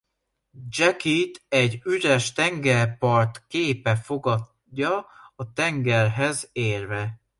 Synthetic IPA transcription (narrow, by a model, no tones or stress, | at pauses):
d͡ʒɛkit̪ɛɟːyɾɛʃt̪ɛŋɡɛrpɒrt̪keːpɛfo̞ɡɒ | dːɒɒt̪ɛŋɡɛrɦɛzeːrvɛ